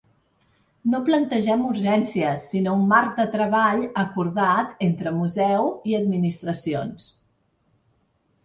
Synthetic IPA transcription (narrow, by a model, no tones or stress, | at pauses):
noplənt̪əʒɛmuɾʒɛnsiəsːinoumːaɾk̚d̪ət̪ɾəβaʎəkuɾðat̪ent̪ɾəmuzɛwiəd̪̚minist̪ɾəsions